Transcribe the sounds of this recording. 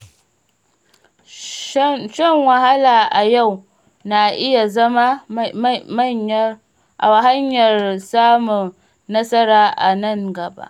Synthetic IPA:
ʃɐ˦ŋwɐ˨ɦa˦laː˨ʔa˨ja˦˨w | na˨ʔɪ˦ja˨zɐ˦ma˦ | ma˦ɲ˦ | ʔa˨wa˨ɦa˦ɲjɐ˨rsaː˦mʊ˨ŋː | ɐ˦sɐ˦ɾaː˦ʔa˨nɐ˦˨ŋɡɐ˨ba̰˦ʔ

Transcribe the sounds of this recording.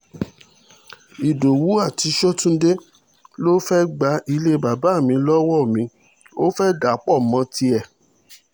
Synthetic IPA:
i˨do˨wu˨˦a˦˨ti˨˧˦ʃɔ˦tũ˦de˦ | lo˦fɛ˦ɡ͡ba˨˧˦i˧le˦ba˨ba˨˦˨mĩ˧lɔ˦wɔ˦˨mĩ˨˧˦ | o˦fɛ˦ɡa˨˦k͡pɔ˦˨mã˧˦ti˧ɛ˨

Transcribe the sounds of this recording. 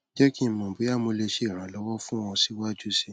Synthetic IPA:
d͡ʒɛ˦ki˦mɔ̃˨bu˨˦a˦˨mo˧le˧ʃe˨˦˨ɾ̃ã˨˦lɔ˦wɔ˦fũ˦ɔ̃˧si˨˦wa˦d͡ʒu˦si˦

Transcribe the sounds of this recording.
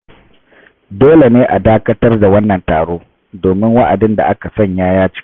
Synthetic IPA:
doː˦le˨neː˦ʔa˨daː˦kɐ˦tɐ˦rda˨wɐ˦nːɐ˨ntaː˨ɽoː˦ | doː˨mɪ˦ŋwa˦ʔa˨dɪ˦nda̰˨ʔa˦ka˨sɐ˦˨ɲjaː˦jaː˦t͡ʃɪ̥˦

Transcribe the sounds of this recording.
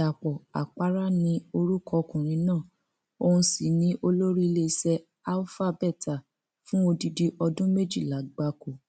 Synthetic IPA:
a˨k͡pɔ˨a̰˨k͡pa˦ɾa˦nĩ˧˦o˧ɾu˦kɔ˧˦kũ˨ɾ̃ĩ˨˧nãː˦˨ | o˧hũ˧si˨nĩ˦ʔo˧lo˦ɾi˦˧le˦˧sɛ˧ | a˦lfa˦˧bɛ˦˨ta˨ | fũ˦o˧di˧di˧ʔɔ˧dũ˦me˦d͡ʒi˦˨la˨˦ɡ͡ba˧ko˨

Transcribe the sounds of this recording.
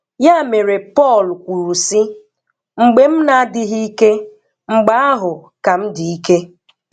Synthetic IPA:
ja˦˨me˨ɾe˨pɔ˦˨lkʷu˨ɾu˨si˦ | ŋ͡m̩˨ɡ͡be˦m̩˦na˨a˦dɪ˦ɦi˦i˦ke˦ | ŋ͡m̩˨ɡ͡ba˦a˦ɦʊ˨ka˨m̩˦di˨i˦ke˦

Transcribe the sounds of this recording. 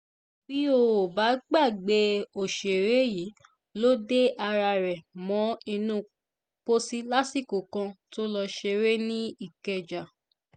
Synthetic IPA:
b̥i˦o˧wo˨ba˨˦ɡ͡ba˦˨ɡ͡be˧˦o˨ʃe˨ɾe˨˦ji˨˦ | lo˦de˦ʔa˧ɾa˧ɾɛ˨mɔ̃˨˦i˧nũ˦ | k͡po˦si˦la˦si˦˨ko˨kã˧to˦lɔ˧ʃe˧ɾe˦nĩ˦i˦˨kɛ˧d͡ʒa˨

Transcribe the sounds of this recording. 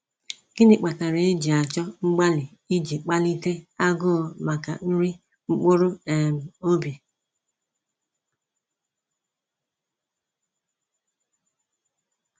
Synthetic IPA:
ki˦ni˨k͡pa˨ta˨ɾe˨e˦d͡ʒi˨a˨t͡ʃɔ˦ŋ͡m̩˦ɡ͡ba˦lɪ˨ | i˦d͡ʒi˨k͡pa˦li˦te˦a˦ɡʊ˦˨ma˨ka˨n̩˦ɾi˦ | ŋ͡m̩˦k͡po˦ɾo˦e˨m̩˨o˦bi˨

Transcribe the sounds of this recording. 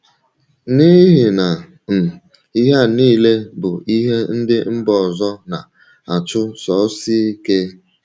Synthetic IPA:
ni˦ɦi˨na˨ | m̩˨ | i˦ɦa˦niː˦le˦bʊ˨i˦ɦe˦n̩˦dɪ˦m̩˦bɔ˨zɔ˦na˨ | a˨t͡ʃʊ˦sɔ˨˦si˦ke˦

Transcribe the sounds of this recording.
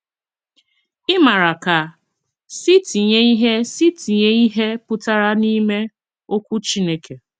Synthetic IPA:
ɪ˦ma˨ɾa˨ka˨ | si˦ti˨ɲe˦i˦ɦe˦si˦ti˨ɲe˦i˦ɦe˦pʊ˦ta˦ɾa˦ni˦me˦ | o˦kʷu˦t͡ʃi˦ne˦kʰe˨

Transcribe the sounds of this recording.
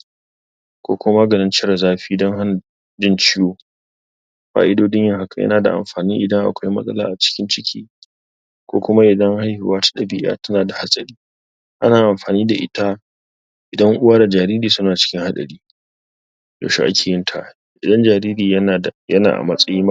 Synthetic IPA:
kʷo̰ː˦kʷma˦ɡɐ˨nɐ˦nt͡ʃɪ˦ɾa˨zaː˦ɸiː˦dɔ˦ŋha˦n˨ | d͡ʒɪ˦nt͡ʃɪ˦joː˦ | ɸa̰ː˦ʔɪ˦doː˦dɪ˦ɲjɐ˦˨ŋha˨ka˨jɐ̰˦naː˨da̰˨ʔa̰˨mɸaː˨niː˦ʔɪ˨dɐ˦ŋʔa̰˨kʷa˦jmɐ̰˦sʼɐ̰˦la̰ː˦˨ʔa˨t͡ʃɪ̥˦kʲɪ˦nt͡ʃɪ˦kʲʰḭː˦ | kʷo̰ː˦kʷʊ˦ma˦ʔɪ˨dɐ˦ŋha˦jhɪ˨waː˦tḁ˦ɗɐ˨bɪ̰˦ʔa̰ː˦tɐ˦naː˨da˨ha˦sʼɐ˦ɽiː˦ | ʔa̰˦naː˨ʔa˨mɸaː˨niː˦da˨ʔɪ̰˦ta˦ | ʔɪ˨dɐ˦ŋʔʊ˦waː˦da˨d͡ʒaː˨ɾiː˦ɾiː˨sʊ˦naː˨t͡ʃɪ̥˦kʲɪ˦ŋha˦ɗɐ̰˨ɽiː˦ | jo̰˨ʃḭ˦ʔa̰˦kʲʰeː˨jɪ˦ntʰa̰˨ʔ | ʔɪ˨dɐ˦nd͡ʒaː˨ɾiː˦ɾiː˨˦˨jɐ˦na̰ː˨ʔa̰˨mɐ˦sʼɐ˦jiː˦m˦

